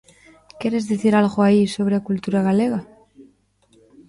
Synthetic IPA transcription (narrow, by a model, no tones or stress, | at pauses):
keɾe̞zðeθiɾalɣoaiso̞β̞ɾeakult̪uɾaɣale̞ɣa